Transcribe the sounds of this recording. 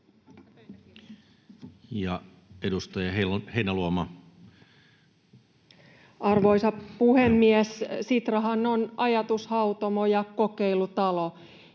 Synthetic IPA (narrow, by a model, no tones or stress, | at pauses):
jɑ | edust̪ɑjɑeheinæluomɑ | ʔɑrʋo̞jsɑpuhemːiessit̪rɑɦɑnonɑjɑt̪ushɑwt̪omojɑko̞keilut̪ɑlo